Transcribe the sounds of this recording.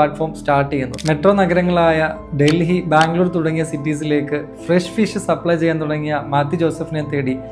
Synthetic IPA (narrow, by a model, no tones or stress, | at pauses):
aːʈfoːɾmsʈaːrʈːienːṵmeʈro̞ːnɐɡɐɾɐŋːɐɭaːjɐ | ɖelɦibaːŋɡɭoːrt̪uɽɐŋːijɐsiʈːiːs̬ile̞ːkːɨfreʂfiʂɨsɐpːɭɐjt͡ɕe̞jːaːnt̪uɽɐŋːijɐmaːt̪ːid͡ʑo̞ːsɐfinent̪eːɽi